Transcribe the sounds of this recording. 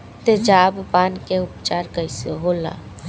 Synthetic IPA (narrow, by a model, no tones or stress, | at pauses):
t̪ed͡ʒaːbpaːnkeʊpt͡ʃaːɾkəiseɦoːla̰ː